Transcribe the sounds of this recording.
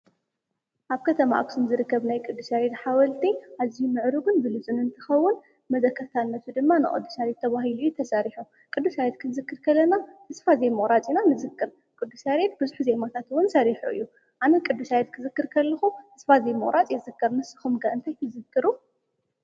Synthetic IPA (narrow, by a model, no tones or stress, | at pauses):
ʔaβkʰɐt̪ʰɐma̰ʔa̰ksɨnzɨɾɨkːɐβnajkʼɨd̪ːusajed̪ħawɐlt̪ʰiʔazihumɨʕɾuɡɨnbɨlɨt͡sʼunɨnt̪ʰɨxɐwːʊn | mɐzɐkːɐɾt̪ʰanːɐt̪ʰud̪ɨmːanɨ̰χʼo̰d̪ːusaɾet̪ʰːɐβaɦilujut̪ʰɐsaɾiħu | kʼɨd̪ːusajɛt̪̚kʰɨnzɨkːɨɾkʰɐlːɐnat̪ʰɨsfazejmɨɣʼɾat͡sʼinanɨzɨkːɨɾ | kʼɨd̪ːusaɾet̪̚bɨzuħze̞mat̪ʰat̪wʊnsɐɾiħuɨ̰jːu | ʕanɐkʼɨd̪ːuʃajet̪̚kʰɨzɨkːɨɾkʰɐlːɐxut̪ʰɨsfazemɨ̰ʔʼɾʔat͡sʼjeɨzɨkːɐɾmɨsɨ̥xumɡaʔɨnt̪ʰajt̪ʰɨzɨkːɨɾu